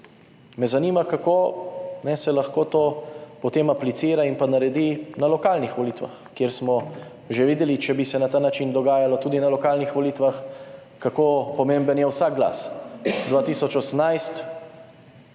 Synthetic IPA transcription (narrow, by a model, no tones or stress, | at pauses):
mɛzanimakakoːnɛsɛlaxkot̪oːpɔt̪eːmaplit̪siːɾainpanaɾɛd̪inalɔkaːlnixʋɔliːt̪ʋa̰xkjeːɾsmɔ | ʒeʋiːd̪ɛlit͡ʃɛbisɛnat̪aːnat͡ʃind̪ɔɡaːjalɔt̪uːd̪inalɔkaːlnixʋɔliːt̪ʋax | kakoːpɔmẽmbənjɛwsak̚ɡla̰sd̪ʋaːt̪isɔt͡ʃɔsəmnajst̪